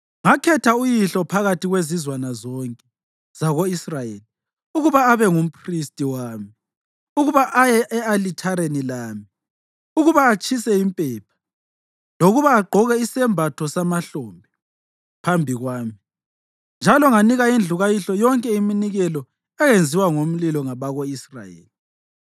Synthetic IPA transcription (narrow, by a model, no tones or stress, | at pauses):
ŋakʰɛtʰaujiɬɔpʰaɣatiɣwezizwanazɔŋkʼɛ̥ | z̥aɣoisrajeːli | uɣuβaːβɛŋum̩pʰristʼiwaːmi | uɣuβaʔajɛʔɛalitʰaɾenilaːmi | uɣuβaːt͡ʃʼʰisɛimpʼɛːpʰḁ | loɣuβaːɡ͡ǃʱɔɣɛisɛmbʱatʰɔsamaɬoːmbʱi | pʰambʱiɣwaːmi | nd͡ʒʱalɔŋaniɣaind͡ɮʱuɣajiɬɔjɔŋkʼɛiminiɣɛlɔ | ɛɣend͡zʱiwaŋom̩lilɔŋaβaɣoisra̰jḛːli